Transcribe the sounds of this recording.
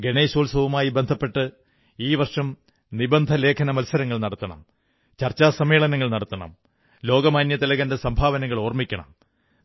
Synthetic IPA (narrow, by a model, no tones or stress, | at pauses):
ɡe̞ɳeːɕoːlsɐʋumaːjibe̞nd̪ʱɐpːe̞ʈːɨ | iːʋɐrʂɐm | nibɐnd̪ʱɐle̞ːkʰɐnɐmɐlsɐɾɐŋːɐɭnɐɽɐt̪ːɐɳɐ̰m | t͡ɕɐrt͡ɕːaːsɐmeːɭɐnɐŋːɐɭnɐɽɐt̪ːɐɳɐ̰m | lo̞ːɡɐmaːnjɐt̪ɐlɐɣɐnde̞sɐmbʱaːʋɐnɐŋːɐɭo̞ːrmikʲːɐɳɐ̰m